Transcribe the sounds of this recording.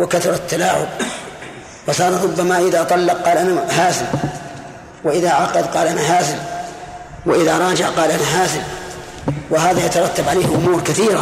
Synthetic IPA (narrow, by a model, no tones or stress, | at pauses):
wɪkaθʊɾˤɑt̪ːalaːʕʊ̰b | wɑsˤɑːɾˤɾˤʊbːamaʔɪðaːt̪ˤɑlːɑq̚qɑːlʔanaɦaːzɪl | wɪʔɪðaʕɑqɑd̪qɑːlʔanaɦaːzɪl | wɪʔɪðaɾˤɑːd͡ʒɪʕqɑːlʔanaɦaːzɪl | wɪɦaːðajat̪ɑɾˤɑt̪ːabʕaleːhʔʊmuːɾkaθiːɾa